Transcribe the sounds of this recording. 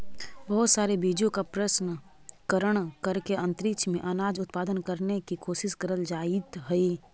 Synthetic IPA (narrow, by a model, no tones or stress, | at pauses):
bɐɦʊt̪saːɾebiːd͡ʒõkapɾəʃnə | kəɾəɽ̃kɐɾkeɐ̃nt̪ɾɪkt͡ʃʰmẽʔɐnaːd͡ʒʊt̪paːd̪ənkəɾnekikʰoːʃɪʃkəɾəld͡ʒaːɪt̪ɦɛi